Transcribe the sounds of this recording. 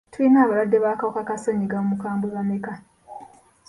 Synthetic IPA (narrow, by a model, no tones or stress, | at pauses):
twinaːβaɾwadːeβakawokakasoɲiɡamumukaːmbuβameka